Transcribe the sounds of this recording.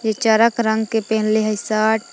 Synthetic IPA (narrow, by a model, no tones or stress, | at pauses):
jet͡ʃaːɾəkɾə̃ŋɡkepɛɦnleɦɐsaːʈ̚